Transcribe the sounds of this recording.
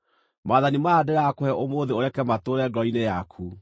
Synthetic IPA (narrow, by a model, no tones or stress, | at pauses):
maːðanimaːdeɾakohɛʔomoːðeoɾɛkɛmatoːɾɛɡɾɔinejakʰu